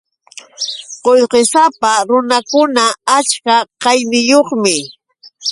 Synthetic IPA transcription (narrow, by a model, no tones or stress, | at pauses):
qojqesapaɾʊnakʊnaat͡ʃkaqɑjnɪjoχmɪ